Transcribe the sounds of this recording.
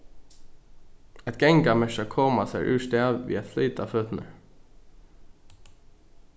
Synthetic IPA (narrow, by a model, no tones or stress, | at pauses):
ɛt̪ɡ̥ɛŋɡɑːmɛʃɑkʰoːmɑsæːʔʉ̰ːʃt̪eːɑʋʋḭːɛt̪fliːt̪ɑ̰ːføːt̪n̩ʔə